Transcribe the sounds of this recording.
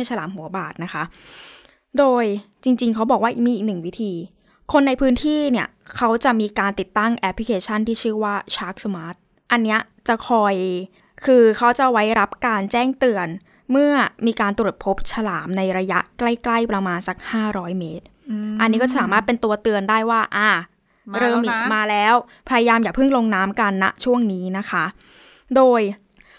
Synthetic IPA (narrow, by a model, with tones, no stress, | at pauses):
a˥˩sʰa˧laː˩˦mɦu˩˦ɐbaː˨˩t̪̚na˦˥kʰa˦˥ | doː˧jt͡ɕi˧ŋt͡ɕi˧ŋkʰa˦˥wbɔː˨˩k̚waː˥ʔi˨˩k̚miː˧iː˨˩nɯ˨˩ŋwi˦˥t̪ʰiː˧ | kʰo˧nːa˧jpʰɯː˦˥nt̪ʰiː˥˩ni˥˩ɐkʰa˦˥wt͡ɕa˨˩ʔmiː˧kaː˧nt̪i˨˩t̪ːa˥˩ŋʔɛ˦˥pʰːli˦kʰeː˧t͡ɕʰa˥˩nt̪ʰiː˥˩t͡ɕʰɯː˥˩waː˥˩t͡ɕʰaː˦˥k̚smaː˦˥t̪̚ | ʔa˧nːi˦˥ɐ | t͡ɕa˨˩kʰɔː˧j | kʰɯː˧kʰa˦˥wt͡ɕa˨˩wa˦˥jɾa˦˥p̚kaː˧nt͡ɕɛː˥˩ŋt̪ɯ˧ən | mɯ˥˩ɐmiː˧kaː˧nt̪ɾu˨˩ət̪̚pʰo˦˥p̚t͡ɕʰa˧laː˩˦mna˧jɾa˧ja˦˥ʔkla˥˩jkla˥˩jpɾa˧maː˧nsa˦˩k̚haː˥˩ɾɔː˦˥jmeː˦˥t̪̚ʔa˧nːi˦˥kɔː˥˩saː˩˦maː˥˩t̪̚pe˧nt̪u˧ɐt̪ɯ˧əndaː˥˩jwaː˥˩ʔaː˧˩ | ɾɤː˧mi˨˩t̪̚maː˧lɛː˦˥w | pʰa˧ja˧jaː˧mjaː˨˩pʰɯ˥˩ŋlo˧ŋnaː˦˥mka˧nːa̰˦˥t͡ɕʰu˥˩əŋniː˦˥na˦˥kʰa˦˥ʔ | doː˧j